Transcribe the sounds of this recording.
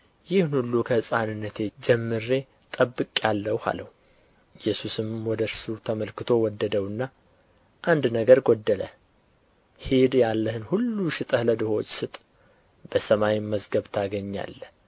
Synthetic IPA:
jɪhnhulːukʰəɨsʼanɨnːət̪ʰe̞d͡ʒɛmːɨɾe̞ | t̪ʼəbːɨkʼjalːəwha̰ləhu | ɪjːɛsusɨmwɔd̪əɾsut̪ʰəməlkɨt̪ʰo̞wɔd̪ːəd̪əwɨnːa | ʔand̪nəɡəɾɡod̪ːələ̰ | hed̪jalːəhɨnhulːuʃɪt̪ʼəhləd̪ɨho̞t͡ʃːsɨt̪ʼ | b̥əsəmawiməzɡəβt̪ʰaɡəɲːa̰lːə

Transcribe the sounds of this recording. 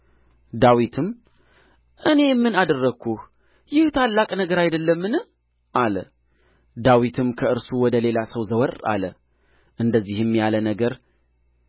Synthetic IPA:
d̪awit̪ʰɨm | ʔɨne̞jmːɨnad̪ərːəkʰːuh | jɪht̪ʰalːakʼnəɡəɾajd̪əlːəmːɨnɨ | ʔalə | d̪awit̪ʰɨmkʰəɨɾsuwɔd̪əle̞lasəwzəwəɾa̰lə | ʔɨnd̪əzːihjɛmːjalənəɡəɾ

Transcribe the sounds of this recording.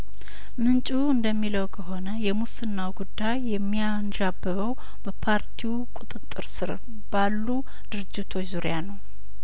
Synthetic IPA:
mɨnt͡ʃʼuɨnd̪əmːiləwkʰəɦo̞nəjɛmusɨnːawɡud̪ːajːɛmːianʒabːəβəw | b̥əpʰaɾt̪ʰiukʼut̪ʼɨt̪ʼːɨɾsɨɾ̰ | b̥alːu | d̪̥ɨɾɨd͡ʒːɪt̪ʰo̞t͡ʃːzuɾjanəw

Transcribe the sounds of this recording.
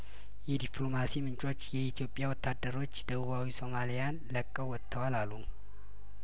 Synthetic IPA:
jɛd̪iplo̞masimɨnt͡ʃʼo̞t͡ʃːjɛit̪ʰijo̞pʼːjawɔt̪ʰːad̪ːəɾo̞t͡ʃːd̪əβuβawiso̞malijanləkʼːəwɔt̪ʰːəwalalːu

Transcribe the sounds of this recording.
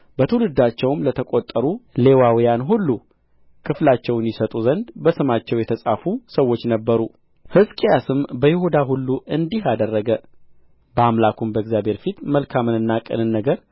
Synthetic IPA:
bət̪ʰəwulɨd̪at͡ʃːɛwmlət̪ʰəkʼot̪ʼːəɾule̞wawjanɦulːu | kʰɨflat͡ʃːɛwɨnjɪsət̪ʼuzənd̪bəsɨmat͡ʃːɛwjɛt̪ʰəsʼafusəwːo̞t͡ʃːnəbːəɾu | hɨskʼijasɨmbəjɪhud̪aɦulːuʔɨnd̪iɦad̪ərːəɡə | bəamlakʰumbəɡzjabʱheɾfit̪məlkʰamɨnɨnːakʼɨ̰lɨnːəɡəɾ

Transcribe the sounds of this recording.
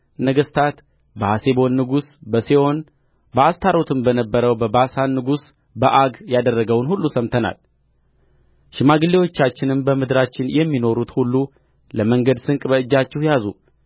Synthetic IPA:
nəɡəst̪ʰat̪ | bəhase̞bo̞nːɨɡusbəseʔo̞n | bəast̪ʰaɾo̞t̪ʰɨmbənəbːəɾəwbəbasanːɨɡus | bəʔaɡjad̪ərːəɡəwnhulːusəmt̪ʰəna̰l | ʃɪmaɡɨlːe̞wo̞t͡ʃːat͡ʃːɪnɨmbəmɨd̪ɾat͡ʃːɪnjɛmːino̞ɾut̪hulːu | ləməŋɡəd̪sɨŋkʼbəɨd͡ʒːat͡ʃːɪhjazṵ

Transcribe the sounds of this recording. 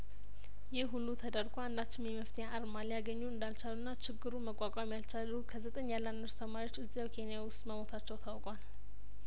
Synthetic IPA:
jɪhɦulːut̪ʰəd̪əɾɡoand̪at͡ʃːɪmjɛməft̪ʰejaʔaɾmaljaɡəɲːuɨnd̪alt͡ʃalunːat͡ʃɪɡːɨɾuməkʷʼːakʼamjalt͡ʃalːukʰəzət̪ʼəɲːjalːanːəst̪ʰəmaɾio̞t͡ʃːɨzːijawkʰe̞nijawʊst̪ʼməmo̞t̪ʰat͡ʃːɛwt̪ʰawkʼal

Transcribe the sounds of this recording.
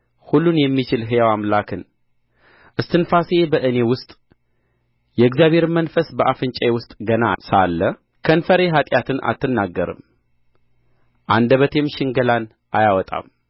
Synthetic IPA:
hulːunjɛmːit͡ʃɪlɦɨjawamlakʰɨn | ʔɨst̪ʰɨnfasebəʔɨnewʊst̪ʼ | jɛɨɡzjaβhe̞ɾmənfəsbəʔafɨnt͡ʃʼɛewʊst̪ʼɡəna̰sa̰lːə | kʰənfəɾeɦat̪ʼjat̪ʰɨna̰t̪ʰːɨnːaɡːəɾɨ̰m | ʔand̪əβət̪ʰe̞mʃɪŋɡəlan | ʔajawɔt̪ʼa̰m

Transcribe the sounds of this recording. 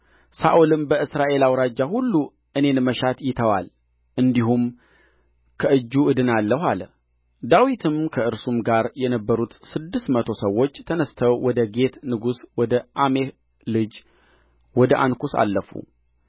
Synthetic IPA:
saʔolɨmbəɨsɾaʔe̞lawɾad͡ʒːahulːu | ʔɨnenməʃat̪jɪt̪ʰəwa̰l | ʔɨnd̪iɦum | kʰəʔɨd͡ʒːuɨd̪ɨnalːəɦal | d̪awit̪ʰɨmkʰəɨɾsumɡaɾjɛnəbːəɾut̪sɨd̪ːɨst̪mət̪ʰo̞səwːo̞t͡ʃːt̪ʰənəst̪ʰəwwɔd̪əɡe̞t̪nɨɡuswɔd̪əʔameh | lɨd͡ʒ | wɔd̪əʔa̰nkusa̰lːəfṵ

